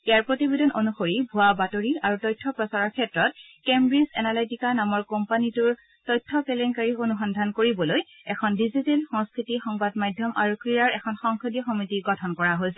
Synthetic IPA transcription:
ejaɹpɹotibedɔnonuxoɹibʱuabatoɹiaɹutɔjtʰːɔpɹɔsaɹaɹkʰɛtɹɔt̚ | kembɹizɛnalajtikanamɔɹkɔmpanituɹ | tɔjtʰːɔkɛlɛnkaɹionuxɔndʱankoɹibɔloj | ɛkʰɔndizitelxɔŋskɹitixɔŋbadmajdʱjɔmʔaɹukɹijaɹɛkʰɔnxɔŋkʰɔdijɔxomitiɡɔtʰɔnkɔɹaɦojsɛ

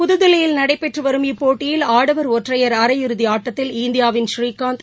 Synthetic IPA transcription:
pʊðɯðɪlɐjɪlnɐɽɐɪpːɛʈrɯʋɐɾɯmipoːʈːɪjɪlaːɽɐʋɐɾoːʈrɐjɐɾɐɾɐjɪɾɯðiaːʈːɐt̪ːɪlɪnd̪ɪjaːʋɪnʃriːkaːnt̪

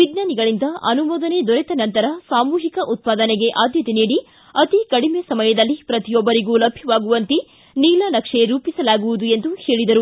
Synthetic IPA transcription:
ʋiɡ̪naːniɡɐɭind̪ɐɐ̰numɔːd̪ɐned̪ɔɾɛt̪ɐnɐnt̪ɐɾɐsaːmuːɦikɐʔut̪̚paːd̪ɐneɡe̞ʔaːd̪ʱjɐt̪eniːɽi | ɐt̪ikɐɽimesɐmɐjɐd̪ɐlːipɾɐt̪ijɔbːɐɾiɡulɐbʱjiʋaːɡuʋɐnt̪i | niːlɐnɐkʂeɾuːpisɐlaːɡuʋud̪ue̞nd̪uhe̞ːɭid̪ɐɾu

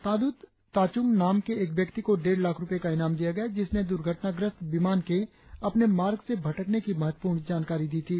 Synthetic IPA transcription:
t̪aːd̪uːt̪ː | aːt͡ʃʊmnaːmkeeːkbjəkt̪ikoɖeːɾlaːkʰɾʊpekaɪnaːmd̪ijaɡɐjad͡ʒɪsned̪ʊɾɡʱəʈnaɡɾəst̪bɪmaːnke | ɐpnemaːɾɡsebʱɐʈəknekimɐɦət̪wə̥puːɾɳd͡ʒaːnkaːɾid̪iːt̪ʰiː

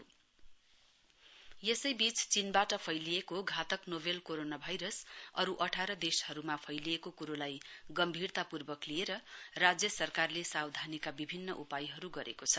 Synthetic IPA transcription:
jesʌjbit͡st͡sinbaʈʌpʰʌjlijekoɡʱat̪ʌknobelkoɾonabʱajɾʌsʌɾuʔʌʈʰaɾʌd̪eshʌɾumapʰʌjliekokuɾolajɡʌmbʱirt̪apurbʌklieɾʌrad͡zjʌsʌrkarlesawd̪ʱanikabibʱinːʌʔupajɦʌɾuɡʌɾekot͡sʰʌ

